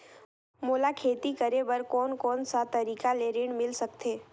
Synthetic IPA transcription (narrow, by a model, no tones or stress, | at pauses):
moːlakʰeːt̪ikɐɾebəɾkɔːnkɔːnsat̪ɐɾiːkaleːɾeːɳmɪlsɐk̚t̪eː